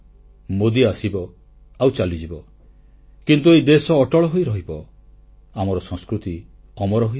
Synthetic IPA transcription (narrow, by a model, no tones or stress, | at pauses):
mod̪iasibɔ | awt͡ʃalid͡ʒibɔ | kint̪uejd̪esɔːʈɔɭɔɦojɾɔɦibɔ | amɔɾɔsɔŋskɾut̪i | ɔmɔɾɔɦo